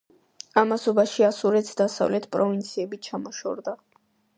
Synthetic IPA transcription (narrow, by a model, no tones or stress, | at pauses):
amasɔbaʃiasuɾɛt̪sʰd̪asa̰vlɛt̪ʰpʼɾɔvint̪sʰiɛbit͡ʃʰamɔʃɔ̰ɾd̪a